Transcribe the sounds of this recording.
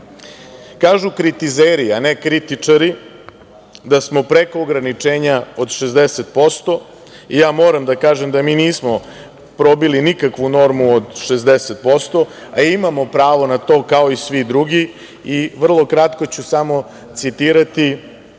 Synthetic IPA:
kaːʒukɾit̪izeɾianekɾit̪it͡ʂaɾi | d̪asmo̞pɾekoːɡɾanit͡ʂe̞ːɲao̞d̪ʃezd̪eset̪̚po̞st̪o̞ | ijaːmo̞ːɾamd̪akaːʒemd̪amiːniːsmo̞ | pɾo̞bilinikakʋuno̞ɾmuod̪ʃezd̪eset̪̚po̞st̪o̞ | aimamo̞pɾaːʋo̞nat̪o̞ːkao̞isʋid̪ɾuɡi | iʋr̩lˠo̞kɾat̪ko̞t͡ɕusamo̞ | t̪sit̪iːɾat̪i

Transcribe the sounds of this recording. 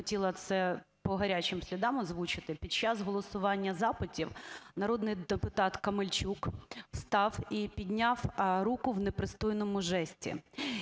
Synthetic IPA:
ɔtʲilˠɐt̪sɛpɔɦɐɾʲat͡ʃɪmsʲlʲid̪ɑmɔzʋut͡ʃɪt̪ɪpʲid̪̚t͡ʃːɑzɦɔlˠɔsʊʋɑnʲːɐzɑpɪtʲiwnɐɾɔd̪nɪjd̪epʊt̪ɑt̪kɐmɪlʲt͡ʃukst̪ɑwipʲid̪ʲnʲawɾukʊwnepɾɪst̪ɔjnɔmʊʒɛsʲtʲḭ

